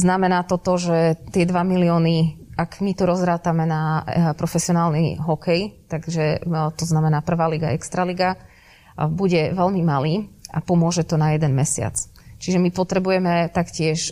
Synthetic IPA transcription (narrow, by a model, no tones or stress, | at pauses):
znamɛnaːt̪ɔt̪ɔʒɛt̪ɪɛd̪ʋamiliɔːniaɡmit̪ɔɾɔzɾaːt̪amɛnapɾɔfɛsiɔnaːlnḭɦɔkʰɛjt̪aɡʒɛt̪ɔznamɛnaːpr̩ʋaːliɡa̰ʔɛkst̪ɾaliɡa | buɟɛʋɛlmimaliːa̰pɔmʊɔʒɛt̪ɔnajɛd̪ɛnmɛsɪa̰t͡st͡ʃiʒɛmipɔt̪ɾɛbujɛmɛt̪akcɪɛʃ